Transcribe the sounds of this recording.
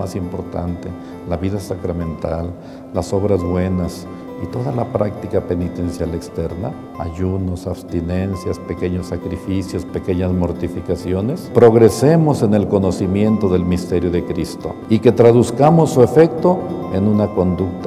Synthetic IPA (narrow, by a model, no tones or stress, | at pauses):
asimpo̞ɾt̪a̰nt̪e̞ | laβiðasakɾamẽ̞nt̪alː | aso̞βɾazβwe̞nas | it̪o̞ðalapɾak̚t̪ikape̞nit̪e̞nsjale̞kst̪e̞ɾna̰ | a̰ʝuno̞saβst̪ine̞nsjaspe̞ke̞ɲosːakɾifisjo̞spe̞ke̞ɲazmo̞ɾt̪ifikasjo̞ne̞spɾo̞ɣɾe̞se̞mo̞se̞ne̞lko̞no̞simje̞nt̪o̞ðe̞lmist̪e̞ɾjo̞ðe̞kɾist̪o̞̰ike̞t̪ɾaðuskamo̞sːue̞fe̞k̚t̪o̞enũnako̞nd̪uk̚t̪